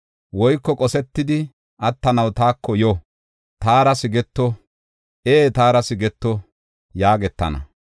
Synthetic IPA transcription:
wɔjkːɔkʼɔsɛt̪ːɪd̪ɪ | ʔɐt̪ːɐnɐwt̪aːkːɔjɔ | t̪aːɾɐsɪɡɛt̪ːɔ | ʔeːt̪aːɾɐsɪɡɛt̪ːɔ | jaːɡɛt̪ːɐ̰nɐ̰

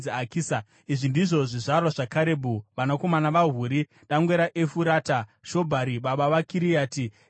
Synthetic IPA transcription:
akiːsa | iʐindiʐo̞ʐiʐarwaʐakaɾeːbʱuʋanako̞manaʋaɦuːɾi | ɗaŋɡwe̞ɾaʔefuɾaːtaʃo̞bʱaɾiɓaɓaʋakiɾijaːti

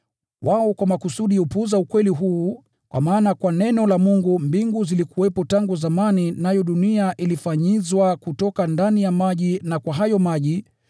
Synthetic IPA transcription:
wʔaɔkwamakusuɗiupuzaukwɛliɦuː | kwa̰maːnakwanɛnɔlamuŋɡumbiŋɡuzilikuwɛpɔtaŋɡuzamaninajɔɗuniaʔilifaɲizwakutɔkandanijamaʄinakwaɦajɔmaʄi

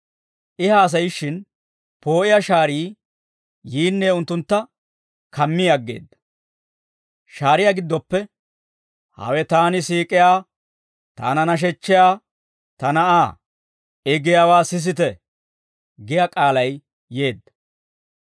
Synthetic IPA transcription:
ʔɪhaːs̬ɐjɪʃːɪn | po̞ːʔɪjaʃaːɾiː | jiːnːeːʊnt̪ːʊnt̪ːɐ | kɐmːɪjɐɡːḛːd̪ːɐ̥ | ʃaːɾɪjaːɡɪd̪ːɔpːɛ | hɐ̰wɛt̪aːnɪsiːkʼɪjaː | t̪a̰ːnɐnɐʃ̬ɛt͡ʃːɪjaː | t̪ɐnɐʔaː | ɛɡɪjaːwaːsɪs̬ɪt̪ɛ | ɡɪjaːkʼaːlɐj | je̞ːd̪ːɐ̥

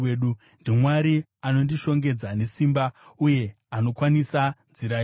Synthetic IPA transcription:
eːɗu | ndimwaɾi | ano̞ndiʃo̞ŋɡe̞d͡zane̞simbauje̞ | ano̞kwanisad͡ziɾai

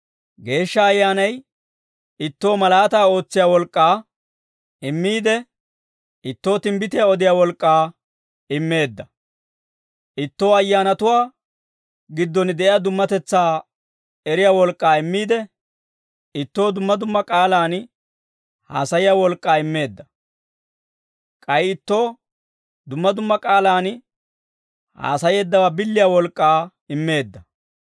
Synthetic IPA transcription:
ɡe̞ːʃːɐːjːaːnɐj | ɪt̪ːo̞ːmɐlaːt̪aːo̞ːt͡sːɪjaːwɔlkʼːaː | ɪmːiːd̪ɛ | ɪt̪ːo̞ːt̪ɪmbɪt̪ɪjaɔd̪ɪjaːwɔlkʼːaː | ɪmːe̞ːd̪ːɐ | ʔɪt̪ːo̞ːɐjːaːnɐt̪ʊwaː | ɡɪd̪ːɔnd̪ɛʔɪjad̪ʊmːɐt̪ɛt͡sːaː | ɛɾɪjaːwɔlkʼːaːɪmːiːd̪ɛ | ɪt̪ːo̞ːd̪ʊmːɐd̪ʊmːɐkʼaːlaːn | ha̰ːsɐjɪjawɔlkʼːaːɪmːe̞ːd̪ːɐ | kʼɐjɪt̪ːo̞ː | d̪ʊmːɐd̪ʊmːɐkʼaːlaːn | ha̰ːsɐje̞ːd̪ːɐwabɪlːɪjaːwɔlkʼːaː | ɪmːe̞ːd̪ːɐ

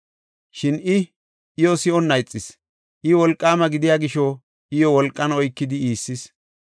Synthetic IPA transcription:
ʃɪnɪ | ʔɪjɔsɪɔnːɐjt͡sʼːɪs | ʔɪwɔlkʼːaːmɐɡɪd̪ɪjaːɡɪʃɔ | ɪjɔwɔlkʼːɐnɔjkːɪd̪ɪiːsːɪs

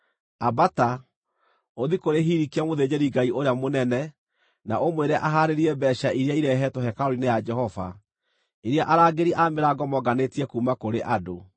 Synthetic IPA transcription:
abata | oðikoɾeɦiɾikiamoðed͡ʑeɾiɡaiʔoɾeamonɛnɛ | naomweɾɛʔaɦaɾeɾiɛbɛːʃaʔiɾeaiɾɛɦɛtɔɦɛkaɔɾinejad͡ʒɛhɔva̰ | eɾeaʔaɾaːɡeɾiʔameɾaɡɔmɔɡanetiɛkuːmakoɾeʔado

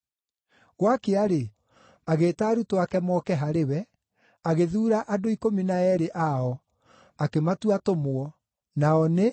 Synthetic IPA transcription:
ɣwakeaɾe | aɣeːtaːɾutoakɛmɔkɛɦaɾewɛ | aɣeðuːɾaʔadoikominaɛɾeʔaɔ | akematuatomoɔ | naɔne

